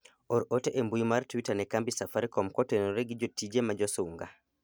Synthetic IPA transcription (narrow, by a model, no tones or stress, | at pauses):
ɔɾɔtɛʔɛmbujumaɾtwitanɛkambisafaɾikɔmkɔtɛnɔɾeɡid͡ʒɔtid͡ʒɛmad͡ʒɔsuŋɡa